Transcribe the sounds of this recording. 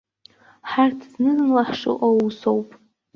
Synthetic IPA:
ħartʰznɨznlaħʂɨ̰ʔousowpʼ

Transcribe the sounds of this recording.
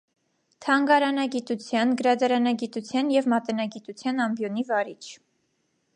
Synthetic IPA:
t̪ʰɑŋɡɑɾɑnɑɡit̪ut͡sʰjɑnɡəɾɑd̪ɑɾɑnɑɡit̪ut͡sʰjɑnjɛvmɑt̪ɛnɑɡit̪ut͡sʰjɑnɑmbjɔnivɑɾit͡ʃʰ

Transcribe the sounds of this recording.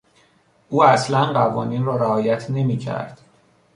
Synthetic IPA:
ʔuːæslænɢævɒːniːnrɒːɾæɒːjæt̪ʰne̞miːcʰæ̰ɾd̪̥

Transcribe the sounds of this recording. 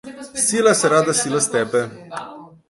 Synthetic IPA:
silaseɾad̪asiləst̪ɛbe

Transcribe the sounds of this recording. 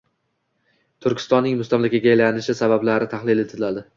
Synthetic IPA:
t̪ʰʊɾkʲʰɪ̥st̪ɒnːɪŋmʊst̪amlakʲaɡʲajlanɪʃɪsabablaɾɪt̪ʰaχlɪlɪt̪ʰɪlad̪ɪ

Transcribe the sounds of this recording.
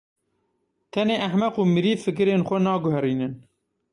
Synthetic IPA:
t̪ʰɛneːʔæħmɛquːmɨɾiːfɨk̬ɨɾeːnxʷɛnɑːɡʊɦɛɾiːnɨn

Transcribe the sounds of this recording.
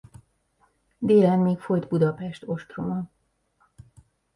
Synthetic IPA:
d̪eːlɛnmeːkfo̞jt̪bud̪ɒpɛʃt̪o̞ʃt̪romɒ

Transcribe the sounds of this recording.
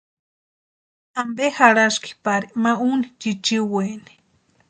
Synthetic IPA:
ambehaɾaski̥paɾimaunit͡ʃit͡ʃiweni̥

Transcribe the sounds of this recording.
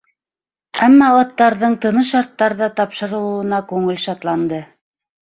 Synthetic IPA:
æmːɑɑt̪ːɑɾðɤɴt̪ɤ̆nɤʃɑɾt̪ːɑɾðɑt̪ɑpʃɤ̆ɾɤ̆lˠɤ̆wɤ̆nɑkʉŋɘlʃɑt̪lˠɑnd̪ɤ

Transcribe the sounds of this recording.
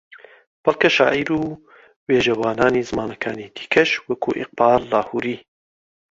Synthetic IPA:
b̥ɐlˠkɐʃa̰ːʔiɾuː | weːʒɐwaːnaːniːzɨmaːnɐkʰa̰ːniːd̪̥i̥ːkʰɐʃwɐkʰuːʔɪ̰q̚baːlːaːhuːɾiː

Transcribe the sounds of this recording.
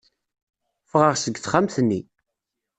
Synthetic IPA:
fʁəʁsəɡθχamθnːi

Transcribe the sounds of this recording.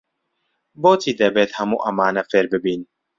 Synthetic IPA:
bot̪ʰid̪ɛbet̪hɐmuʔɐmaːnafeɾbebin

